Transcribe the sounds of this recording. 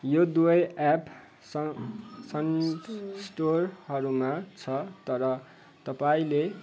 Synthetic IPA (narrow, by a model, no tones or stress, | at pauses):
jod̪uʌjap | s | sʌn | sʈorhʌɾumat͡sʰʌt̪ʌɾʌ | t̪ʌpaĩle